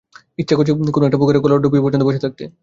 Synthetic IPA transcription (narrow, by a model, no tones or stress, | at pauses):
itːʃʰakot͡ɕʰikonoek̚ʈaboɡeɾekolaɾɖubipɔɾt͡ɕʰont̪oboʃʰet̪ʰak̚t̪e